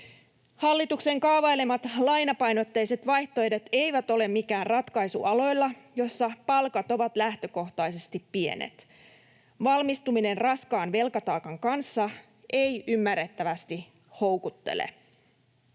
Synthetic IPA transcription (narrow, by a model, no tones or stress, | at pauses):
hɑlːit̪ukse̞ŋkɑʋɑjle̞mɑt̪lɑjnɑpɑjnot̪ːejse̞t̪ʋɑjht̪oedet̪e̞jʋæt̪o̞le̞mmːikæːrrɑt̪kɑjsṵʔɑlo̞jlːɑjo̞sːɑpɑlkɑt̪o̞ʋɑt̪læht̪ø̞ko̞ht̪ɑjse̞st̪ippie̞̰nḛt̪ | ʋɑlmist̪umine̞nrɑskɑːnʋe̞lkɑt̪ɑːkɑŋkɑnsːɑ | ʔe̞jymːærːe̞t̪ːæʋæst̪i | ho̞wkut̪ːe̞̰lḛ